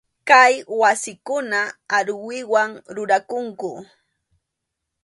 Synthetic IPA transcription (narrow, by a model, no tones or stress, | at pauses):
kajwasɪkʊnaaɾwɪwaŋɾʊɾakʊŋkʊ